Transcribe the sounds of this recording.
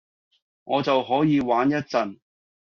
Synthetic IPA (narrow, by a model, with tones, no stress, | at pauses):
ŋʔɔː˨˧t͡sɐ˨wɦɔː˨˥jiː˨˧waː˨˥njɐ˥t̚t͡sɐ˨n